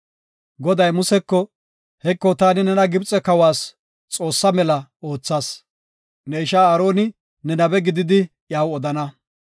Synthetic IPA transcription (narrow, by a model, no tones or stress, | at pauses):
ɡɔd̪ɐjmʊsɛkːɔ | hɛkːɔt̪aːnɪnɛnɐɡɪbt͡sʼɛkɐwaːs | t͡sʼo̞ːsːɐmɛlɐoːt͡sːaːs | nɛɪʃaːaːɾo̞ːnɪ | nɛnɐbɛɡɪd̪ɪd̪ɪ | jaːwɔd̪ɐnɐ